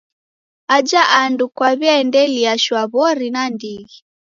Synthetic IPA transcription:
ad͡ʒaʔandukwaβjaɛndɛliaʃwaβɔɾinandiɣi

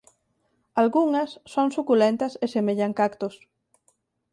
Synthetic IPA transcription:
alɣuŋɐsːoŋsukulent̪ɐsesemeʎaŋkakt̪os

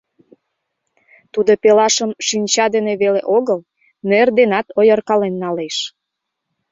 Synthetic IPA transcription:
t̪ud̪opelɑʃəmʃinʲt͡ɕɑd̪eneβeleʔoɣəl | nerd̪enɑt̪ojərkɑlenːɑleʃ

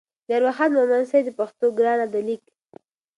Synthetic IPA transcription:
d̪əaɾwaxat̪mamansajd̪əpaxt̪oɡɾɑnad̪əlik

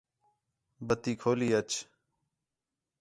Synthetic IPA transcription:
bət̪iːkʰoːliːət͡ʃ

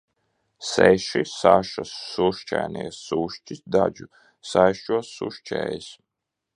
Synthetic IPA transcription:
sɛʃisaʃasːuʃt͡ʃæ̰jniɛsuʃt͡ʃisd̪ad͡ʒu | sajʃuɔsṵʃt͡ʃɛ̰ːjis

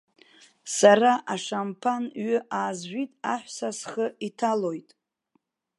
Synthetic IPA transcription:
saraʔaʂampʰanɥʏʔaːzʒʷitʼaħʷsasχəitʰalo̞jtʼ

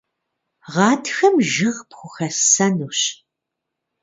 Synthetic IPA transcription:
ʁɑːtxɐmʒɪʁpxʷʊxɐsɐnuːɕ

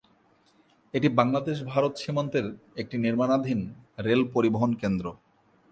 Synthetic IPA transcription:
eʈibaŋlad̪eʃ̬bʱaɾot̪ʃimont̪eɾek̚ʈiniɾmanad̪ʱinɾelpoɾiboɦonkend̪ɾo

